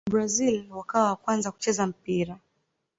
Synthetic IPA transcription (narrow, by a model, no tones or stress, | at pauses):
bɾazilwakawawakwanzaku̥t͡ʃɛzam̩piɾa